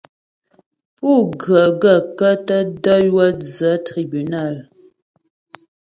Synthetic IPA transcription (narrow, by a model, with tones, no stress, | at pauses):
pu˦˨ɡɰa˨ɡa˦˨ka˦ta˦dɔ˦jwa˦d͡za˨˦tɾi˨bi˨na˦˨l